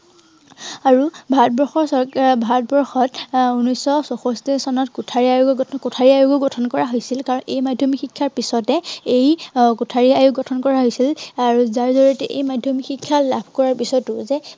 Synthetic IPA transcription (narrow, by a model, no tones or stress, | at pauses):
aɹubʱatbɔɹxɔɹsɔbʱatbɔɹxɔtunɔjsɔsɔxɔstisɔnɔtkutʰaɹiajuɡɔɡɔtʰkʊtʰaɹiajuɡɔɡɔtʰɔnkɔɹaɦojsilkaɹɔnejmadʱjomixikʰːaɹpisɔtɛejkutʰaɹiajuɡɔtʰɔnkɔɹaɦojsilaɹuzaɹzɔɹɔtɛʔejmadʱjomixikʰːalabʱkɔɹaɹpisɔtʊzɛ